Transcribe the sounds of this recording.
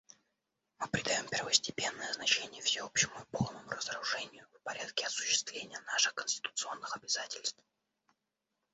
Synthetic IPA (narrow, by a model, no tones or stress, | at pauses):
mɨpɾʲɪd̪ɐjo̞mpʲɪrvəsʲtʲɪpʲe̞nːəjəznɐt͡ɕenʲɪjəfsʲɪo̞pɕːɪmʊɪpo̞lˠnəmʊɾəzəɾʊʐɛnʲɪjʊfpɐɾʲat̪kʲɪɐsʊ̥ɕːɪst̪vlʲenʲɪjənaʂɨxkənʲsʲtʲɪ̥t̪ʊ̥t̪sɨo̞nːɨxɐbʲɪzatʲɪlʲst̪f